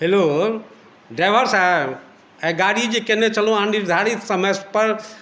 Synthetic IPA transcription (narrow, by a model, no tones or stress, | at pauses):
ɦelo | ɖɾaːʋ̤əɾsa | ɛ̃ːɡaːɽid͡ʑeːkenẽt͡ɕɐlõãːnɳɖiɾd̪ʱaːɽisɐmespɐɾ